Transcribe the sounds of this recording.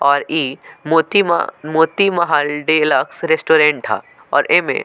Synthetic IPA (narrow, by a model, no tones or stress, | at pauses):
ɔːɾiːmot̪ḭmoːt̪imɐɦalɖelɐksɾesʈoːɾẽːɳʈ̚t̪ʰa̰ː | ɔ̰ːɾʔemḛ̃